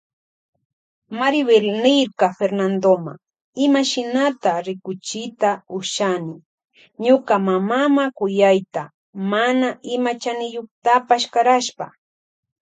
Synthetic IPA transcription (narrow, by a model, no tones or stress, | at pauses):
maɾɪweɾnɪɾkafeɾnand̪oma̰ŋ | ɪmaʃɪnat̪aɾɪkʊt͡ʃɪt̪aʊʃanɪ | ɲʊkamamamakʊjajt̪a | manaɪmat͡ʃanɪjoχt̪apaʃkaɾaʃpa̰